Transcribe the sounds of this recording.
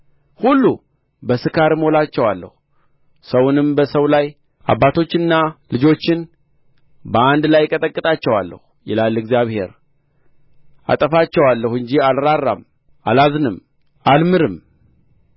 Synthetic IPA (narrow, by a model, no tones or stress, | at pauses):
hulːu | bəsɨkʰaɾmho̞lat͡ʃːɛwalːə̰hu | səwʊnɨmbəsəwlaj | ʔa̰bːat̪ʰo̞t͡ʃːɪnːalɨd͡ʒo̞t͡ʃːɪn | bəand̪lajkʼət̪ʼəkʼːɨt̪ʼat͡ʃːɛwa̰lːə̰hujɛlalːɨɡzjaβhe̞̰ɾ | a̰t̪ʼəfat͡ʃːɛwalːəhɨɲd͡ʒialɾarːa̰m | ʔalazɨnɨm | almɨɾɨm